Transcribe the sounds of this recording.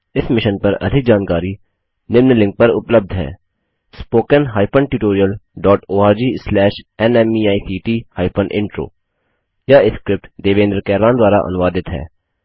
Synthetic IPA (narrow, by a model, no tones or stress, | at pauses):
ɪsmɪʃənpɐɾɐ̰d̪ʱɪk̚d͡ʒaːnkaːɾi | nɪmnlɪ̃ŋk̚pɐɾʊ̰pləb̚d̪ʱɦɛ̰ː | spoːkənɦaːɪpʰəɳʈjuːʈoːɾijəlɖɔːʈoːaːɾd͡ʒiːslɛːʃɛnɛmiːaːisʰiːʈiːhaːɪpʰənʔɪ̰̃ɳʈɾo̰ː | jaːɪskɾɪp̚ʈd̪eːʋẽːnd̪ɾəkɛːɾãːnd̪waːɾa̰ʔɐ̰nʊʋaːd̪ɪt̪ɦɛ̰ː